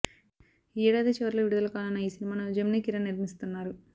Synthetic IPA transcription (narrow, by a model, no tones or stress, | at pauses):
iːɽaːd̪et͡ʃɛʋɐɾuloːʋiɽud̪ɐlɐkaːnɐnːɐiːsinimaːnɐud͡ʒɐmnikiɾɐniɾmist̪unːaːɾu